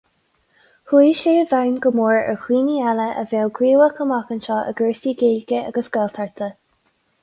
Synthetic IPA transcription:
hwiːʃeːəvaɹnɡəmoːɹɛ̰ɹhwiːnialəʔə̰veːlɡɹiːləkʰəmakənʃɑːʔə̰ɡəːsiɡeːlɡəa̰ɡəsɡ̥ɛlt̪ʰaɹt̪ʰə

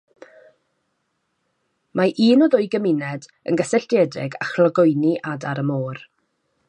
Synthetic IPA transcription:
maʔiːnɔðʊɨɡəmɪnɛd | ə̰nɡəsɛɬd̥jɛdrɪ̰ɡa̰χlˠɔɡʊjniʔadaɾəmoːr

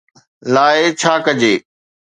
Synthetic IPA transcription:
laːet͡ɕʰaːkəd͡ʑeː

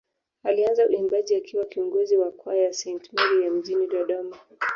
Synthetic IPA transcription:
alianzaulimbaʄiakiwakiɔŋɡɔziwakwajasɛjntmaɾijam̩ʄiniɗɔɗɔma

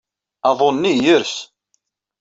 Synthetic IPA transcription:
ɑðˤonːijəɾs

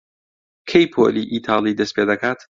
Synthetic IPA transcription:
kʰejpʰo̰lḭʔiːt̪ʰɑːlˠid̪ɐsped̪ɐkaːt̪

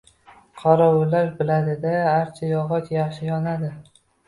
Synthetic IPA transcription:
qʰɑɾɒwʊlaɾbɪlad̪ɪd̪aːɾt͡ʃʰajɒʁɒt̪jɑχʃɪjɒnad̪ɪ

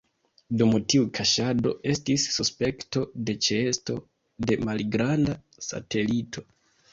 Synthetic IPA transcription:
dumutiukʰaʃado̞̰ʔe̞stisːuspe̞kto̞de̞t͡ʃeesto̞̰ | de̞malɡɾanda | sa̰te̞litʰo̞̥

